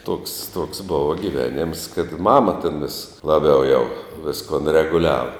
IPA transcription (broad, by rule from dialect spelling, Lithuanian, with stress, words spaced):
toːks toːks ˈbʊʋɐ ɡʲɪˈʋʲæːnʲɛms kɐt ˈmɑːmɐ tʲɛn ʋʲɪs lˠɐˈbʲɛʊ jɛʊ ˈʋʲɪskʊn rʲɛɡʊˈlʲæːʋɐ